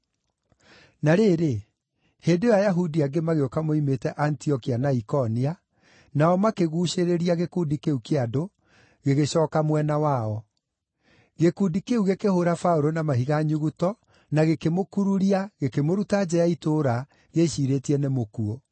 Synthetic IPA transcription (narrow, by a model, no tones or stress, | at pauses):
naɾeːɾe | heːndejajaɦudiaɡemaɣeokamoimetɛʔantiɔkianaikɔnia | naɔmakeɣuːʃeɾeɾiaɣekudikeukeado | ɣeɣeɕɔːkamwɛnawaɔ | ɣekudikeuɣekehoɾafauɾonamaɦiɣaɲuɣutɔ | naɣekemokuɾuɾiaɣekemoɾutad͡ʑɛaitoːɾa | ɣeʃiːɾetiɛnemokuo